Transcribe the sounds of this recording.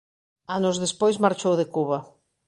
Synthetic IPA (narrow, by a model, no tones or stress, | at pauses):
anʊzðespojzmaɾt͡ʃowðekuβa